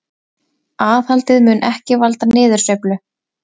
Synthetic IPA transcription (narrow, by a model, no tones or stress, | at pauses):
aːθhalt̪ɪðmʏnʔɛhcɪvalt̪anɪːðʏɾ̥sœɥplʏ